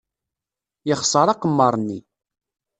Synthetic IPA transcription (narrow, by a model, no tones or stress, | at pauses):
jəχsˤəɾˤɑqəmːɑɾˤnːḭ